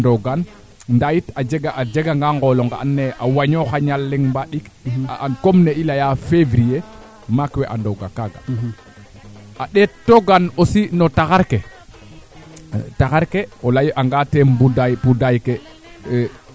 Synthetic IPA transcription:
ndoɡan | ndajitad͡ʒeɡaʔad͡ʒeɡaŋɡaŋɡoloŋɡa̰anːeʔawaɲoxaɲalːiŋmbaɗikankomneilajafevɾije | makwɛʔa̰ndoɡakaɡa̰ | ʔaɗetːoɡanosinotaxaɾke | taxaɾkeolajʔaŋɡatembudajpudajke

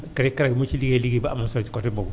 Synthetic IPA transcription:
kaɾkaɾaɡmut͡ʃiliɡieliɡiba̰masat͡ʃkɔtebɔɡ

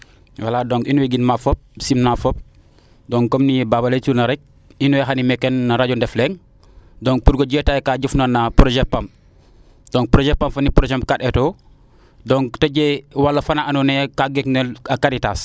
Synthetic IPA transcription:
waladoːŋinuwiɡinmafop̚simnafop̚ | doŋkomnibabaletunaɾek̚ | inuwexanimekːenːaɾaɟondɛfleŋ | doŋ̚puɾɡoɟeːtajkaɟufnonːapɾod͡ʒepːam | d̥oŋpɾod͡ʒepːamfɐnipɾod͡ʒemkaɗetoː | dɔŋtoɟewalːɐfanaʔanunekaɡeknelakaɾitaːs

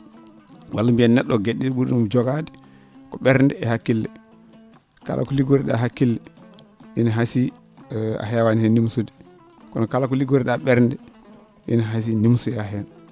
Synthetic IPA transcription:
walːambiɛnːɛɗːɔɡeɗːiɗiɓuɾumd͡ʒɔɡadɛ | kɔɓɛɾndɛɛhakːilːɛ | ka̰lʔa̰kɔliɡoɾiɗa̰ɦakːilːɛ | ɓinaɦasi | a̰ɦɛwanihɛnːimsudi | kɔnɔkalakɔliɡoɾiɗaɓɛɾndɛ | ɓḭnɦas̬inimsujaɦɛn

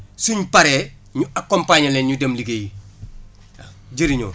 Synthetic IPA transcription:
suɲupaɾɛː | ɲuakompaːɲɐlɛːɲudɐmliɡeji | ɟiɾiɲo̰ː

